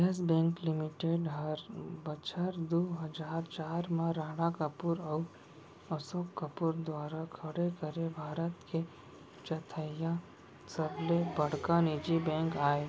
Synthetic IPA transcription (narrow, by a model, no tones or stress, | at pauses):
əsbɛ̃ŋklimiʈeɖɦəɾbət͡ʃʰəɾd̪oɦəd͡ʒaɾt͡ʃaːɾmãɾaːɽakəpuɾau | əsokːəpuɾd̪ʋaːɾakʰəɽekəɾebʱaːɾət̪ke | t͡ʃət̪ʰəjã | səblebəɽ̤kanid͡ʒibɛ̃ŋkaːe